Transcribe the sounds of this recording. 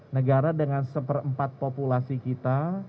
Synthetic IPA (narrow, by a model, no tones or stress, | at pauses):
nəɡaɾadəŋansəpərəmpat̪̚populasikit̪a